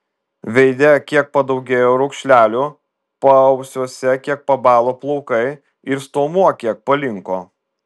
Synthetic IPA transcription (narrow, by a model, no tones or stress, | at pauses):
ʋʲɛɪd̪ʲɛkʲiɛk̚pɐd̪ɐʊɡʲeːjoːɾʊkʃʲlʲæːlʲʊ | pɐɐʊsʲuɔsʲɛkʲiɛk̚pɐbɑːlˠoːplˠɔʊkɐɪ | ɪɾst̪oːmuɔkʲiɛk̚pɐlʲɪŋkoː